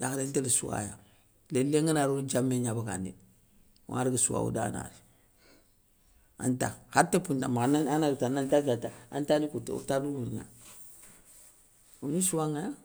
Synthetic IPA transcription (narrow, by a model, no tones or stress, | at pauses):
jakadentelisuwa̰ja̰ | lelːeŋanaɾud͡ʒamːeɲabaka̰nḭ | wŋaɾiɡisuwa̰ṵda̰na̰ɾi | a̰nta̰hatːepundamanaanaɾtanantad͡ʒataa̰ntanikutṵtaɾuunŋa̰ | unisuwaŋaja